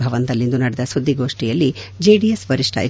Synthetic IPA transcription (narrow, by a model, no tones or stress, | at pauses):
bʱɐʋɐnt̪ɐlːind̪unɐɽɛd̪ɐsud̪ʱːiɡo̞ːʂʈijɐlːid͡ʒeːɖijesbɐɾiʂʈʰɐ̰je